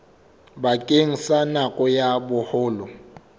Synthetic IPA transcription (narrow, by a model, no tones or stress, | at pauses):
bakʼeŋ̩sanakʼɔjabʊhʊːlɔ